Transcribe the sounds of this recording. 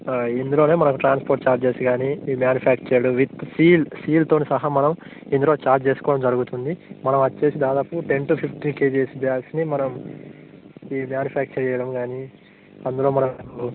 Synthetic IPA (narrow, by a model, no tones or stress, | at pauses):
end̪ulo̞ːne̞ːmɐnɐkuʈɾaːnspoːɾʈt͡ʃaːɾt͡ʃe̞ːsiɡaːniːmjaːnjupʰaːk̚t͡ʃɐjɐɽuʋit̪siːlsiːlt̪o̞ːnisɐɦɐmɐnɐm | end̪ulo̞ːt͡ʃaːɾt͡ʃe̞ːsu̥kɔːɐɽɐmd͡ʒɐɾuɡut̪und̪imɐnɐmɐt͡ʃːe̞ːsid̪aːd̪aːpuʈe̞ɳʈupʰipʰʈinke̞ːd͡ʒeːsbjaːksnimɐnɐm | iːmjaːnjupʰaːk̚t͡ʃɐɾɛjɐɽɐmɡaːni | ɐnd̪ulo̞ːmɐnɐu